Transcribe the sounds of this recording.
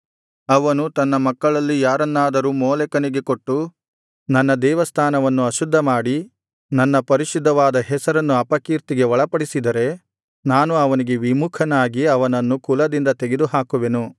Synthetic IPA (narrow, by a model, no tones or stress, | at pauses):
ɐʋɐnut̪ɐnːɐmɐkːɐɭɐlːijaːɾɐnːaːd̪ɐɾuːmɔːlɛkɐniɡe̞koʈːu | nɐnːɐd̪ɛːʋɐst̪ʰaːnɐʋɐnːuɐʃud̪ʱːɐmaːɽi | nɐnːɐpɐɾiʃud̪ʱːɐʋaːd̪ɐɦɛsɐɾɐnːuɐpɐkiːɾt̪iɡe̞ʋɔɭɐpɐɽisid̪ɐɾe̞ | naːnuɐʋɐniɡe̞ʋimukʰɐnaːɡiɐʋɐnɐnːukulɐd̪ind̪ɐt̪eɡed̪uɦaːkuʋe̞nu